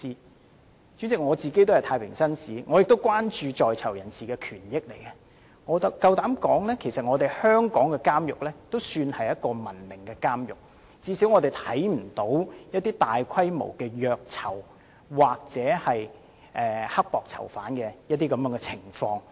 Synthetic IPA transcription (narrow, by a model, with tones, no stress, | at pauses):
i˧ | t͡ʃyː˨˥nt͡sɪ˨k̚ŋɔː˨˧t͡siː˨ke˥jt̪whɐ˨˩t̪ʰaː˧jpʰɪ̰˨˩ŋsɐ˥nsiː˨˥ŋɔː˨˧jɪ˨k̚t̪o˥wkʷwaː˥nt͡ʃyː˧t͡ʃɔː˨jt͡sʰɐ˨˩wjɐ˨˩nsiː˨kɛː˧kʰyː˨˩njɪ˥k̚le˨˩jkɛ˧ | ŋɔː˨˧t̪ɐ˨˩kɐ˧wt̪aː˨˥mkɔː˨˥ŋlɛː˥kʰe˨˩sɐ˨t̚ŋɔː˨˧t̪e˨jhœː˥ŋkɔː˨˥ŋkɛ˧kaː˥mjʊ˨k̚lɛː˥t̪o˥wsyː˧nhɐ˨jɐ˥t̚kɔː˧mɐ˨˩nmɪ˨˩ŋkɛ˧kaː˥mjʊ˨k̚ | t͡siː˨˧˥siː˨˥wŋɔ˨˧t̪e˨jt̪ʰɐ˨˥jm̩˨˩t̪o˨˥wjɐ˥t̚t̪iː˥t̪aː˨jkʰɐ˥jmo̰˨˩wkɛː˧jœː˨k̚t͡sʰɐ˨˩w | waː˨k̚t͡sɛː˨˥hɐ˨j | ʔɛː˨˩hɐ˥k̚pɔː˨k̚t͡sʰɐ̰˨˩wfa̰ː˨˥nkɛ˧jɐ˥t̚t̪iː˥kɐ˨˧mjœː˧˥ŋɡɛ˧t͡sʰɪ˨˩ŋfɔː˧ŋ